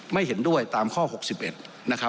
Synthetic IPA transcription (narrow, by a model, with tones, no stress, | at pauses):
ma˥˩jɦe˩˦ndu˥˩əjt̪aː˧mkʰɔː˥˩ho˨˩k̚si˨˩p̚ʔe˨˩t̪̚ | na˦˥kʰa˦˥